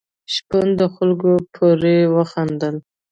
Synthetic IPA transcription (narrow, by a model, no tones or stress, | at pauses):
ʃpənd̪əxalɡopʰoɾewəxand̪əl